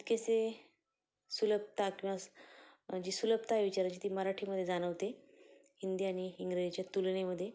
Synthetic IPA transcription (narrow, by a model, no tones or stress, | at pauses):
d̪kese | suləb̚t̪akĩʋa | d͡ʑiːsuləb̚t̪aʋit͡ɕaɾat͡ɕiːt̪iːməɾaʈʰiːməd̪ʱːjed͡zañəʋt̪e | hind̪iaɽ̃iːŋɡɾed͡ʑit͡ɕjat̪ulɳeməd̪ʱːje